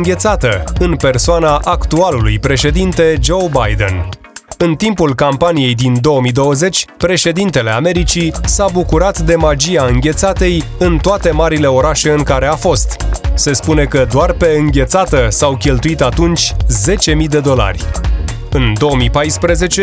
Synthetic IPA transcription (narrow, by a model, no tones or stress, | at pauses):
ŋɡʲe̞t̪sat̪əɨnpe̞rsoanaʔakt̪ualulṵjpɾe̞ʃe̞d̪int̪e̞d͡ʒo̞wbajd̪e̞̰n | ɨnt̪impulkampanije̞jd̪ind̪o̞əmid̪o̞wəze̞t͡ʃʲpɾe̞ʃe̞d̪int̪e̞le̞ame̞ɾit͡ʃisabukuɾat̪d̪e̞mad͡ʒiaɨŋɡʲe̞t̪sat̪e̞jɨnt̪oat̪e̞maɾile̞o̞ɾaʃe̞ɨŋkaɾe̞afo̞st̪se̞spune̞kəd̪oarpe̞ɨŋɡʲe̞t̪sat̪əsawkʲe̞lt̪uit̪at̪unt͡ʃʲze̞t͡ʃe̞mid̪e̞d̪o̞la̰rʲ | ɨnd̪o̞əmipajspɾəze̞t͡ʃe